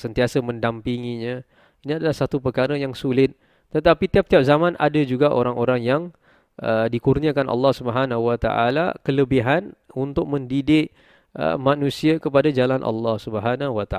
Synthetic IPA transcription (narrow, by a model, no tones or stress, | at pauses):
sənt̪iasəmə̃ndampiŋiɲə̃ | iniadalahsat̪upərkaɾəjaŋsulɪt̪̚ː | ət̪apit̪iap̚t̪iap̚zamãnʔa̰dəd͡ʒuɡaʔoɾaŋʔoɾaŋjaŋ | ʔədikurniəkanʔɑ̰lːɑhsubəɦanawat̪a̰ʔa̰la̰kələbiɦanunt̪ʊk̚mə̃ndidɪʔ | ʔə̰mãnũsiəkəpadad͡ʒalanʔɑ̰lːɑhsubəɦanawat̪a